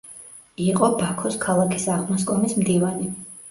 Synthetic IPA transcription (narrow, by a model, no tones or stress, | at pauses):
iqʼɔbakʰɔskʰalˠakʰi̥saʁmaskʼɔmismd̪ivani